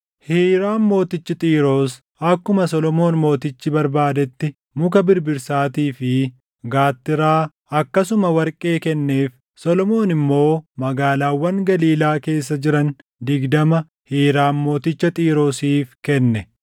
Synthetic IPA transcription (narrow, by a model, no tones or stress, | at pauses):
hiːɾaːnmo̞ːt̪ɪt͡ʃːɪt̪ʼiːɾo̞ːs | ɐkːʊmɐsɔlɔmo̞ːnmo̞ːt̪ɪt͡ʃːɪbɐɾbaːd̪ɛt̪ːɪ | mʊkɐbɪɾbɪɾsaːt̪iːfɪ | ɡaːt̪ːɪɾaː | ɐkːɐsʊmɐwɐɾkʼe̞ːkɛnːeːf | sɔlɔmo̞ːnɪmːo̞ːmɐɡaːlaːwːɐŋɡɐliːlaːke̞ːsːɐd͡ʒɪɾɐn | d̪ɪɡd̪ɐmɐ | hiːɾaːnmo̞ːt̪ɪt͡ʃːɐt̪ʼiːɾo̞ːsiːfkɛnːɛ